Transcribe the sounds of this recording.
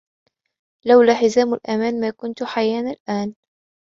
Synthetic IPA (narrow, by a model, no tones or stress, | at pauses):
lawlaːħɪzaːmalʔamaːnmaːkʊnt̪ħajaːnalʔaːn